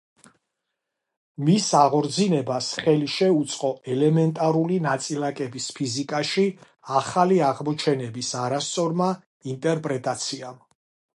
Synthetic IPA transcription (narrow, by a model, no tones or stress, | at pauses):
misaʁɔɾd̪zinɛbasχɛliʃɛut̪sʼqʼɔɛlɛmɛnt̪ʼaɾulinat̪sʼilakʼɛbispʰizikʼaʃi | aχaliaʁmɔt͡ʃʰɛnɛbisaɾast̪sʼɔɾma | int̪ʼɛɾpʼɾɛt̪ʼat̪sʰiam